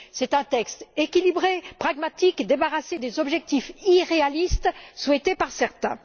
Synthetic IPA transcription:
sɛt̪ɛ̃t̪ɛkst̪ekʲilibʁepχaɡmat̪ikd̪ebaʁased̪ezɔbʒɛk̚t̪ifiʁealist̪swɛt̪epaʁsɛʁt̪ɛ̃

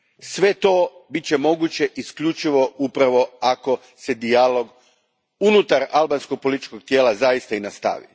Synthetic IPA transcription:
sʋe̞t̪o̞ːbit͡ɕemo̞ɡut͡ɕe̞ʔiskʎut͡ʃiʋo̞upɾaʋo̞ako̞ | se̞d̪ialo̞ɡ | unut̪aɾalˠbanskoɡ̚po̞lit̪i̥t͡ʃko̞ɡ̚t̪je̞ːlazaist̪ainast̪a̰ʋḭ

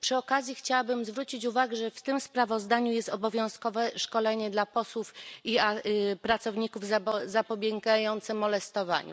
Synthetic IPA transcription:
pʂɘɔkazʲjixt͡ɕawabɘmzvɾut͡ɕit͡ɕuvaɡɛʐɛft̪ɘmspɾavɔzd̪aɲujɛst̪ɔbɔvʲjɔ̃w̃skɔvɛʂkɔlɛɲɛd̪lapɔswufiapɾat̪sɔvɲikuvzazapɔbʲjɛŋɡajɔnt̪sɛmɔlɛst̪ɔva̰ɲṵ

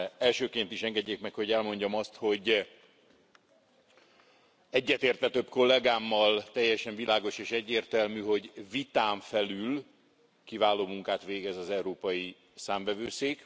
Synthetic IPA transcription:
ɛlʃøːkeːnt̪iʃɛŋɡɛɟːeːkmɛkho̞ɟɛlmo̞ɲɟɒmɒst̪ho̞ɟ | ɛɟːɛt̪eːrt̪ʋɛt̪ø̞bko̞lːɛɡaːmːɒlt̪ɛjːɛʃɛɱvilaːɡo̞ʃeːʃɛɟːeːrt̪ɛlmyɦo̞ɟvit̪aːɱfɛlyl | kivaːloːmuŋkaːt̪ʋeːɡɛzɒzɛuɾoːpɒji | saːmvɛvøːseːk

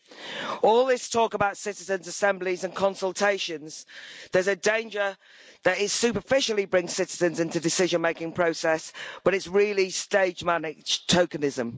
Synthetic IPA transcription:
ɔːlˠðɪstʰɔˑkəbaʊtsɪtɪzə̃nzəsɛ̃mblɪzə̃nkʰɒ̃nsəlˠtʰeɪʃə̃nz̥ðəzədẽɪ̃nd͡ʒə | ðətɪtsʉˑpəfɪʃəlˠibɹɪ̃ŋz̥sɪtɪzə̃nzɪ̃ntudɪsɪʒə̃nmeɪkɪ̃ŋpʰɹ̥oʊsɛsb̥ʌɾɪtsɹɪːəlisteɪd͡ʒmanɪ̥d͡ʒ̥tʰəʊkənɪzə̃m

